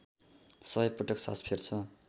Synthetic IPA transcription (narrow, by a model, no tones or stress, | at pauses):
sʌbʌjprʌʈʌksa̰spʰert͡sʰʌ